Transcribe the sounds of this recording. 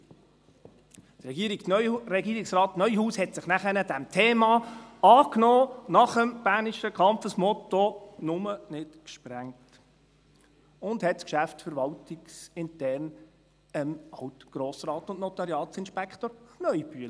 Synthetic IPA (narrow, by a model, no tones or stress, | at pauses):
tɾɛɡiːɾikɾɛɡiːɾɪksɾɑːtnœʏjhuːshɛtsɪχnæχənədɛmtʰeːmɑɑːknoːnɑχəmb̥æːnɪʃəkʰɑmpfəsmɔt̪onʊmənɪtkʃpɾæŋt | ʊndhɛtskʃæftfəɾʋɑltɪksɪntɛɾn | əmɑwtɡ̥ɾoːsrɑːtʊntnɔt̪ɑɾjɑːtsɪnʃpɛkχtoɾnœʏb̥yələ